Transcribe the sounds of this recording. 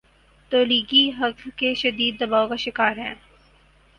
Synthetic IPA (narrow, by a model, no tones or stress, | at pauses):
t̪oːliːɡiɦɐklkeʃɐd̪iːd̪ːɐbaːokaʃɪkaːɾɦɛ̃ː